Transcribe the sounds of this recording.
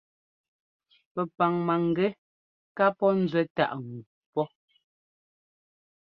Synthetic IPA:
pɛ˨pa˨ŋma˨ŋ˨ɡɛ˦ | ka˦pɔ˦n̩˦zwɛ˦ta̰˦ʔŋ˨ɡu˨pɔ˦

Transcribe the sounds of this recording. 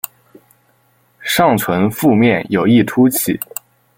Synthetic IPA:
ʂɑ˥˩ŋt͡sʰwə˧˥nfu˥˧mjɛ˥˩njo˨˩ʊi˥˩ʈ͡ʂʰu˥t͡ɕʰi˨˩˦

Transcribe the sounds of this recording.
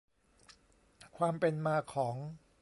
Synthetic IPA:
kʰwaː˧mpe˧nmaː˧kʰɔː˩˦ŋ

